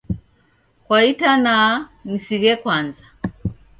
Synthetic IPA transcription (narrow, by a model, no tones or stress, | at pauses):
kwaitananisiɣɛkwanza